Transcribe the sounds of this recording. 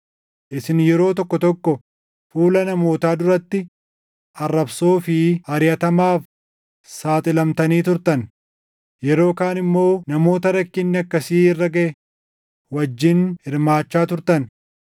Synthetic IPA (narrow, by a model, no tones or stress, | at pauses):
ʔɪsɪnjɛɾo̞ːt̪ɔkːɔt̪ɔkːɔ | fuːlɐnɐmo̞ːt̪aːd̪ʊɾɐt̪ːɪ | ʔɐrːɐbso̞ːfɪɐɾɪjɐt̪ɐmaːf | saːt̪ʼɪlɐmt̪ɐniːt̪ʊɾt̪ɐn | jɛɾo̞ːkaːnɪmːo̞ːnɐmo̞ːt̪ɐɾɐkːɪnːɪɐkːɐsiːɪrːɐɡɐʔɛ | wɐd͡ʒːɪnhɪɾmaːt͡ʃːaːt̪ʊɾt̪ɐn